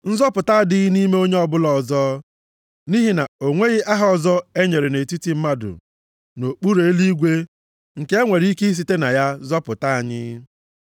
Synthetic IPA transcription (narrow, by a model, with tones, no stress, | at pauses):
n̩˦zɔ˦pʊ˨ta˦dɪ˦ɣni˦me˦o˦ɲe˦ɔ˦bʊ˦lɔ˨zɔ˦ | ni˦ɦi˨na˨o˨ŋʷe˦ɣɪ˦ʔa˦ɦɔ˨zɔ˦e˦ɲe˨ɾe˨ne˨ti˦ti˨m̩˦ma˦dʊ̰˨ | no˨k͡pu˦ɾe˦e˦li˦ɡʷe˦ | ŋ̩˨ke˦e˦ŋʷe˨ɾi˦ke˦i˦s̬i˨te˦na˨ja˦zɔ˦pʊ˨ta˦a˨ɲɪ˦